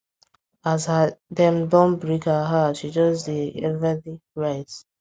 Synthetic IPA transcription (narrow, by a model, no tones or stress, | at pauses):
azhadɛ̃mdɔ̃nbɹikaɦaʃid͡ʒɔsdeɛvaliɹaɪz